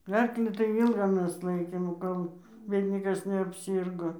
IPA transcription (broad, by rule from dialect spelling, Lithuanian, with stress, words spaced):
ˈɐrklʲiː tɐɪ ˈiːlˠɡɐ ˈmʲɛs ˈlˠɐɪkʲeːm ˈkoːlˠ ʋʲeːlʲ ˈnʲiɛkɐs nʲɛɐpʲˈsʲiːrɡoː